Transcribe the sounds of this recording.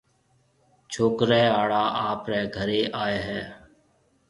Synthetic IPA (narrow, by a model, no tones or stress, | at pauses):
t͡ʃʰoːkɾɛːaːɽaːʔaːpɾɛːɡʱəɾeːʔaːeːɦɛː